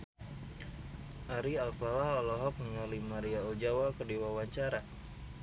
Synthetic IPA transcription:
ʔaɾialfalahɔlɔɦɔk̚nəŋalimaɾiaod͡ʒawakərdiwawaɲt͡ʃaɾa

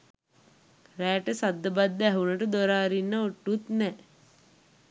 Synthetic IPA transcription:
ɾæːʈəsad̪ːəbad̪ːæɦuləʈəd̪oɾaːɾinːəoʈːut̪nɛ

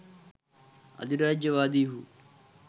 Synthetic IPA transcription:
ɐ̰d̪iɾaːd͡ʒd͡ʒɐʋaːd̪iːɦuː

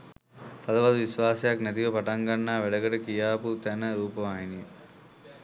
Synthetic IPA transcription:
t̪ɐd̪ɐʋɐd̪uʋisʋaːsɐjaknæt̪iʋəpaʈaŋɡanːaːʋeɖɐɡəʈəkijaːput̪ænəɾuːpəʋaːɦinije

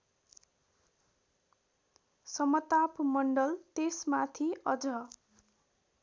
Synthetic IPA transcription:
sʌmʌt̪apmʌɳɖʌlt̪esmat̪ʰiʌd͡zʌ

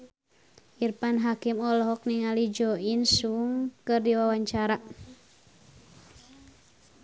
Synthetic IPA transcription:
ʔirpanɦakimɔlɔɦɔk̚niŋalid͡ʒɔinsuŋkɨrdiwawaɲt͡ʃaɾa

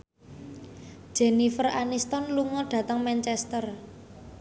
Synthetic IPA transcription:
ʒ̥ɛ̤nifəranist̪ɔnluŋɔɖ̥ä̤t̪əŋmɛnt͡ʃɛst̪ər

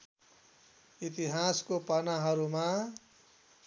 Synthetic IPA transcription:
it̪iɦaskopanaɦʌɾuma

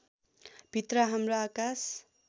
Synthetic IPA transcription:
b̥ʱit̪rʌɦamroakas

